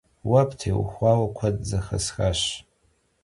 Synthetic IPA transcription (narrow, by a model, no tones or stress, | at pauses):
wapʰʼtʰewχʷawakʷʰadd͡zaχa̰sxaʃ